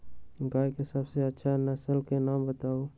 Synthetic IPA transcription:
ɡaːjkesəbseɐtːʃʰanəsəlkenaːmbət̪aːo

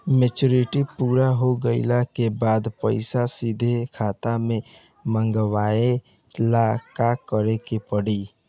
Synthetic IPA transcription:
met͡ʃoɾiʈipuːɾaɦoɡəɪlakebaːd̪pəɪsasid̪ʱekʰat̪amẽ | maŋɡwae | lakakəɾekepəɽi

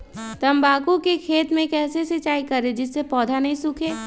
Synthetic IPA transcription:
t̪ɐmbaːkukekʰeːt̪mẽkɛːsesɐt͡ʃaːikɐɾed͡ʒɪsːepɔːd̪ʱanɐɦĩsʊkʰeː

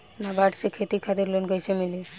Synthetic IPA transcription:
nabaʈsekʰet̪ikʰat̪iɾlonkojt͡ʃʰemili

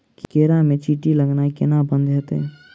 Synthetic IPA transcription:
kikeːɾamẽt͡ʃiːʈiləɡnakɪnabə̃nd̪ɦət̪ɦɛ̰ː

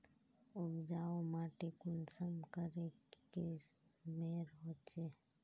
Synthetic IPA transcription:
ʊbd͡ʒaːomaːʈekʊnsəmkəɾekesmeːɾɦoːt͡ʃeː

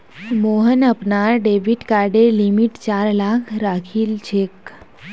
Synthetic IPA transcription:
moɦənəpnaɾɖeʋiʈkaɾɖelimiʈt͡ɕaɾlakʰɾakʰiːlt͡ɕʰek

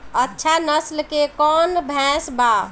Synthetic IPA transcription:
ətːʃʰanəslkekɔːnbʱɛ̃sba

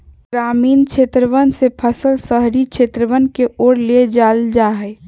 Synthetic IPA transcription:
ɡɾamiːnkt͡ʃʰet̪ɾəʋənsepʰəsəlsəɦɾikʃʰeːt̪ɾəʋənkeoːɾled͡ʒald͡ʒaɦɛ

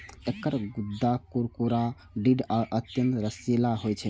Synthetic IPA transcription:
ekəɾɡud̪ːakuɾkuɾa | ɖiɖaʔət̪jənt̪ɾəsilaɦojt͡ʃʰɛ

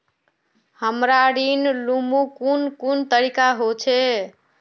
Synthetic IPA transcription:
həmɾaɾinlumukunkunt̪əɾikaɦot͡ʃʰɛ

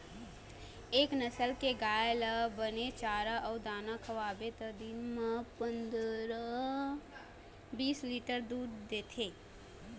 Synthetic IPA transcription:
eːknəsəlkeɡaːjeləbənet͡ʃaːɾaʔɔːɾd̪aːnakʰəwaːbet̪əd̪inmãpə̃nd̪ɾa | biːsliːʈəɾd̪uːɾd̪eːt̪ʰeː

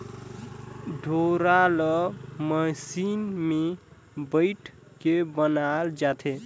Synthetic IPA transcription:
ɖʱoɾaləməsinme | bəɪʈʰ | kebənald͡ʒat̪ʰe

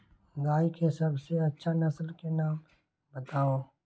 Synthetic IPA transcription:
ɡaːikesɐbʱseɐtːʃʰanɐsəlkenaːm | bɐt̪aːoː

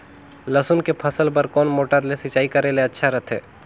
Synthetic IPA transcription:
ləsʊnkepʰɐsəlpəɾkɔːnmoːʈəɾlesɪt͡ʃaːikɐɾeleɐtːʃʰaɾɐt̪ʰḛː

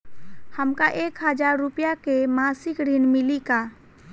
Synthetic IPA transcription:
həmkaʔeːkɦəd͡ʒaːɾːʊpjakemaːsɪkɾinmɪlikaː

